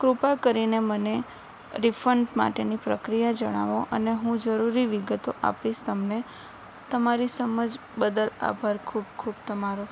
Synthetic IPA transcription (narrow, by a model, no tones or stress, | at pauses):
kɾupakəɾineməne | ɾifʰəɳɖma̰ʈenipɾəkɾijad͡ʒəɽ̃a̰ʋõʔəneɦũd͡ʒəɾuɾiʋiɡət̪oʔa̰piʃt̪əmne | t̪əmaɾisəməd͡ʒ | bəd̪əla̰bʱaɾkʰub̚kʰubt̪əmaɾo